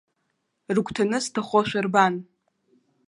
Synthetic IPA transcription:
rkʷʰʼtʰanɨstʰaχʷoʃʷᶣarban

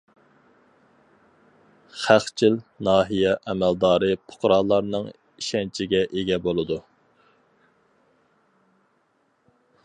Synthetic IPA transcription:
χæχt͡ʃʰilnɑːɦijɛʔɛmæld̪ɑːɾɨpʰʊ̥qɾɑːlˠːɑɾnɨŋ | iʃɛnt͡ʃʰiɡʲɛʔeɡʲɛbolˠɨd̪u

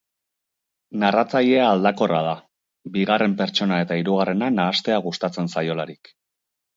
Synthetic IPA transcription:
narat͡saʎe̞aːld̪ako̞rað̞a | biɣare̞mpe̞ɾt͡ʃo̞nae̞t̪aiɾuɣ̞are̞nanaːst̪e̞aɣust̪at͡se̞nsajo̞laɾik

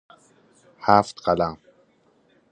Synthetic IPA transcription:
haːft̪qala

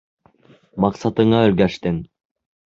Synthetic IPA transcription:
mɑqsɑt̪ɯɴɑɵɾɡæʃt̪ɘŋ

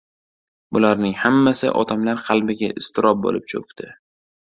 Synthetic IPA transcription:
bʊlaɾnɪŋhamːasɪ̰ʔɒ̰t̪ʰamlaɾqʰɑlˠbɪɡʲaʔɪst̪ʰɪɾʔɒb̚bo̰lɪp̚t͡ʃʰo̰kʲt̪ɪ

